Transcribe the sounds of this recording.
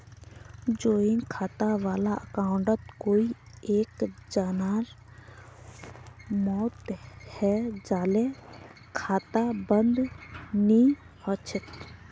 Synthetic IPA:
d͡ʒoːinkʰaːt̪aʋaːlaəkaːʊɳɖət̪koːi | eːkd͡ʒaːnaːɾ | mɔːt̪hɛd͡ʒaːle | kʰaːt̪abənd̪ni | ət͡ʃʰɪt̪

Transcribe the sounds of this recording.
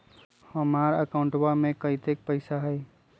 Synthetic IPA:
həmaɾəkaʊ̃ɳʈbamekəit̪ek̚pəɪsaɦəj

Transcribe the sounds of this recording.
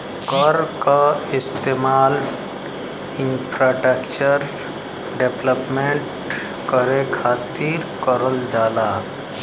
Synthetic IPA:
kəɾkaɪst̪eːmaːl | ɪnpʰɾaːʈəkt͡ʃəɾ | ɖepləpmẽɳʈ | kəɾekʰaːt̪iɾkəɾəld͡ʒaːlaː

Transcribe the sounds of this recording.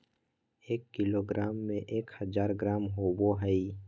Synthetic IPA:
eːkːɪloːɡɾʔaːmːẽʔeːkhəzaːɾɡɾaːmɦowoɦəi

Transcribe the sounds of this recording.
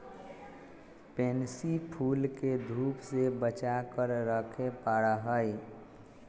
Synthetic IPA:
peːnsipʰuːlked̪ʱuːpsebət͡ʃakəɾɾəkʰepaɽaɦəj

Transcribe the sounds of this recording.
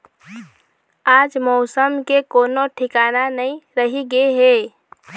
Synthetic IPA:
aːd͡ʒmɔːsəmkekoːnoʈʰɪkaːnanəĩɾəɦiɡeɦeː

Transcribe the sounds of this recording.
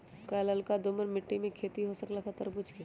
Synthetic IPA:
kaːləlkad̪ʊməɾmɪʈːimẽkʰeːt̪iɦosəklaxɐt̪əɾbʊt͡ʃʰke

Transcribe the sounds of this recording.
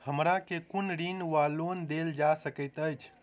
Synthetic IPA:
həmɾakekunɾinʋalond̪eld͡ʒasəkəɪt̪əjt͡ʃʰ

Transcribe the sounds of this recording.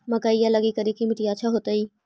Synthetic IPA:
mɐkaːijalɐɡikɐɾikimɪʈiaːʃʰaɦoːt̪aiː

